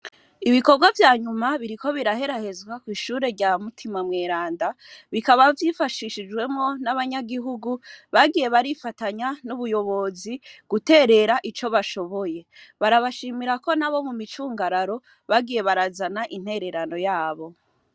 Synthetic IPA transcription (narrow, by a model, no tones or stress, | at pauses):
iβiko̞ɾɡwavjaːɲumaβiɾiko̞βiɾahe̞ɾahe̞zɡwakwiːʃuːɾe̞ɾɟamutʰimamŋeːɾaːndaβikaβavjifaʃiʃid͡ʒɡwe̞mŋo̞naβaɲaɡiɦuɡuβaɡije̞βaɾifataɲanuβujo̞βo̞ziɡ̥ute̞ːɾe̞ɾaʔit͡ʃo̞βaʃo̞βo̞je̞βaɾaβaʃiːmiɾako̞naβo̞mumit͡ʃuːŋɡaɾaɾo̞ | βaɡije̞βaɾazanaʔin̥he̞ɾe̞ɾano̞jaːβo̞